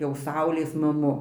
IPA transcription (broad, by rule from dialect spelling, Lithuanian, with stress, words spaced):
jɛʊ ˈsɐʊlʲeːs mɐˈmʊ